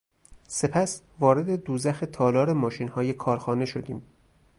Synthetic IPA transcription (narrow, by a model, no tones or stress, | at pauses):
se̞pʰæs | vɒːɾe̞d̪e̞d̪uːzæxet̪ʰɒːlɒːɾe̞mɒːʃiːnhɒːje̞kʰɒːɾxɒːne̞ʃo̞d̪iːm